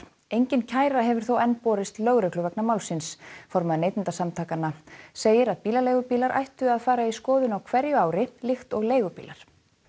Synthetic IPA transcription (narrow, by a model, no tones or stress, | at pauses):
ejɲcɪncʰaːjɾaɦɛvʏɾ̥θowɛnpɔːɾɪst̪lœɣɾœklʏvɛknamawlsɪnsfɔɾmaðʏneːjt̪ɪnt̪asamt̪ʰaːkanːaseːjɪɾaðpiːlaleːjɣʏpiːlaɾʔa̰jht̪ʏaðfaːɾaiskɔːðʏnawkʰvɛɾjʏaːwɾɪlɪxt̪ɔɣleːjɣʏpḭːlaɾ̥